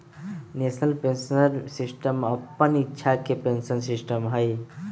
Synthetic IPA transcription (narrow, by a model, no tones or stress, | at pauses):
nesnəlpensnəɾsisʈəməpːənitːʃʰakepensənsisʈəmɦəj